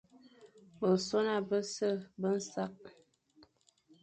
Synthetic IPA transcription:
bə˨so˦na˦˨bə˦sə˦˨bə˦n̩˦sa˦k̚

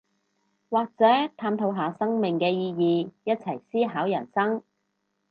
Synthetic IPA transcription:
waː˨˩k̚t͡sɛː˨˥t̪ʰaː˧mt̪ʰo˨˥wɦaː˨˧sɐ˥ŋmɪ˨ŋkɛː˧jiː˧jiː˨˧jɐ˥t̚t͡sʰɐ˨˩jsiː˥ɦaː˨˥wjɐ˨˩nsɐ˥ŋ

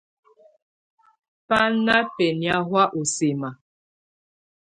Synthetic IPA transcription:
pa˦na˦pɛ˨ni˨a˦ɦwa˦ʔu˨se˨ma˨

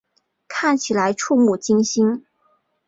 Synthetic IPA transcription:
kʰa˥˩nt͡ɕʰi˨˩la˧˥ɪʈ͡ʂʰu˥˧mu˥˩t͡ɕi˥ŋɕi˥n

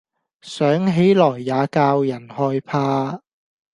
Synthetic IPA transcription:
sœː˨˥ŋɦe˨˥jlɔː˨˩jːaː˨˧kaː˧wjɐ˨˩nhɔː˧jpʰaː˧

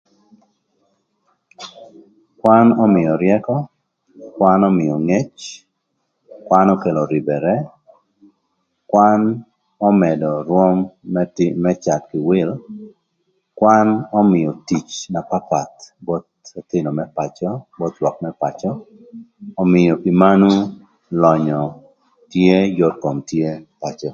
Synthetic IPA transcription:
kwa˦nɔ˦mɪjɔ˨ɾjɛkɔ˦ | kwa˦nɔ˦mɪ˨jɔ˨ŋe˦t͡ʃ | kwa˦nɔ˦ke˨lɔ˨ɾɪ˨bɛ˨ɾɛ˦ | kwan | ɔ˦mɛ˨dɔ˨ɾwɔ˦mtmɛ˦t͡ʃa˨tkɪ˨wɪ˦l | kwanɔ˦mɪ˨jɔ˨ti˨t͡ʃna˨pa˦pa˨tbɔ˦t̪o˨tɪ˦nɔ˨mɛ˦pat͡ʃɔbɔ˦t̪lwɔ˨k̚mɛ˦pat͡ʃɔː˨ | mɪjɔ˨ki˨ma˦nu˦ | lɔ˨ɲɔ˨ | tje˦jɔ˦tko˨mtje˦pa˨t͡ʃɔ˨

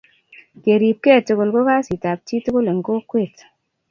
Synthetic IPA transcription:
ke˨ɾi˨p̚kɛ˦˨tu˨ko˨lko˦ka˦si˨ta˨p̚t͡ʃi˦tu˦ko˦le˨ŋ˨ko˦kwe˦˨t

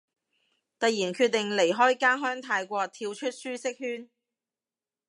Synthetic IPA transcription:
t̪ɐ˨jiː˨˩nkʰyː˧t̪̚ːɪ˨ŋle˨˩jɦɔː˥jkaː˥nɦœː˥ŋt̪ʰaː˧jkʷɔː˧k̚t̪ʰiː˧wt͡ʃʰɵ˥t̚syː˥sɪ˥k̚hyː˥n

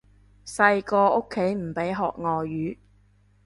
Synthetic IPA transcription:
sɐ˧jkɔː˧ʔo˥kʰːe˨˥jm̩˨˩pe˨˥jɦɔ̰ː˨k̚ŋɔː˨jyː˨˥

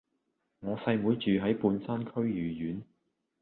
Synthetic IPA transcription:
ŋɔː˨˧sɐ˧jmuː˨˧jt͡ʃyː˨ɦɐ˨˥jpuː˧nsaː˥nkʰɵ˥ɥjyː˨˩jyː˨˥n

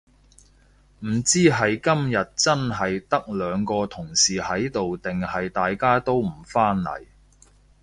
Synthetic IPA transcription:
m̩˨˩t͡siː˥ɦɐ˨jkɐ˥mjɐ˨t̚t͡sɐ˥nɦɐ˨jt̪ɐ˥k̚lœː˨˧ŋkɔː˧t̪ʰʊ˨˩ŋsiː˨˩hɐ˨˥jt̪o˨wt̪ɪ˨ŋhɐ˨jt̪aː˨jkaː˥t̪o˥wm̩˨˩faː˥nːɐ̰˨˩j

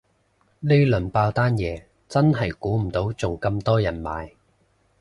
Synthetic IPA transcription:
le˥jlɵ˨˩npaː˧wt̪aː˥njɛː˨ | t͡sɐ˥nɦɐ˨jkuː˨˥m̩˨˩t̪o˨˥wt͡sʊ˨ŋkɐ˧mt̪ɔː˥jɐ˨˩nma̰ː˨˧j

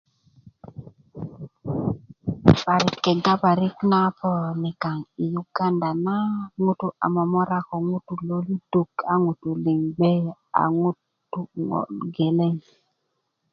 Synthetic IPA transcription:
pa˨ɾɪ˨kːɛ˨ɡa˦pa˨ɾɪ˦kna˦pɔ˦˨ni˨ka˨ŋi˨ju˨ɡ̥a˦nda˨na˦ŋu˦tu˦ʔa̰˨mɔ˨mɔ˦ɾa˦kɔ˨ŋu˦tu˨lo˦li˦du˨ka˨ŋu˨tu˨li˨ŋɡ͡bɛ˦ | a̰˨ŋu˦ | tːu˦ŋɔ̰˨lɡe˨lɛ˦ŋ

